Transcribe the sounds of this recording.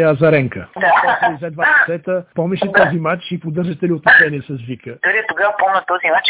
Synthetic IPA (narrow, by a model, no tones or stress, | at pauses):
ɐzɐɾɛŋkəd̪ak̪ɔt̪lizɛd̪vassɛt̪əpɔmɛʃɛt̪ɔzimat͡ʃipod̪əɾʒət̪ɛliot̪ɛsɛniɛsɐzvikəd̪oɾiɛt̪ʊɡavpɔmɛt̪ɔzimat͡ʃ